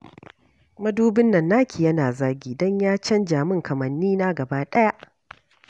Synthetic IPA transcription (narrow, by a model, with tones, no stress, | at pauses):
mɐ˦duː˦bɪ˦nːɐ˨nːaː˦kʲʰi˨jɐ˦naː˨zaː˦ɡʲiː˨dɔ˦ɲjaː˦t͡ʃɐ˦nd͡ʒaː˨mɪ˦ŋkʰɐ˨mɐ˨nːiː˦naː˦ɡɐ˨baː˦ɗɐ˦ja˦ʔ